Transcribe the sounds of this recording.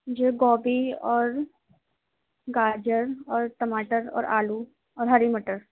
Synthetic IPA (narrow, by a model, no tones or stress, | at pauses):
d͡ʒeɡɔːbiɔːɾ | ɡaːd͡ʒəɾɔːɾʈəmaːʈəɾɔ̰ːɾʔaːlu | ɔːɾɦəɾiməʈəɾ